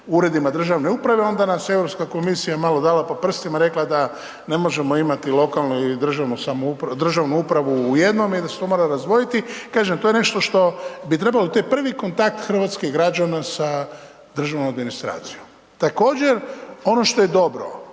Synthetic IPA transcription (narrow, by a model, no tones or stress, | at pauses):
uɾe̞d̪imad̪r̩ʒaʋneupɾaʋe̞o̞nd̪anasjeevɾopskako̞misijamalo̞d̪alapopr̩st̪imaɾe̞klad̪a | ne̞mo̞ʒe̞mo̞imat̪ilˠo̞kalˠnud̪r̩ʒaʋnusamoupd̪r̩ʒaʋnuupɾaʋuːje̞d̪no̞mid̪aset̪o̞mo̞ːɾaɾazd̪ʋo̞jit̪ikaːʒemt̪oje̞ne̞ʃt̪o̞ʃt̪o̞bit̪ɾe̞balot̪ojepr̩ʋiko̞nt̪ak̚t̪xr̩ʋat̪skeiɡɾad͡ʒanasa | d̪r̩ʒaʋnomad̪minist̪ɾa̰ːt̪si̥jom | t̪ako̞ːd͡ʑe̞ɾo̞no̞ʃt̪o̞je̞d̪o̞bɾo̞̰